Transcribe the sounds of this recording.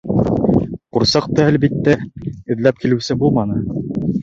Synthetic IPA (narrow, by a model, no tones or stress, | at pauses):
quɾsɑq̚t̪ɤælbit̪ːæɘ̆ðlæp̚kilɘ̆wsɘbulˠmɑnɤ